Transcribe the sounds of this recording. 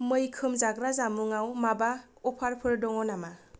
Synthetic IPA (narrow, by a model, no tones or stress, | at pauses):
mɯjkʰɯmzaɡɾazamuŋawmaba | ɔpʰaɾpʰɯɾdɔŋɔnama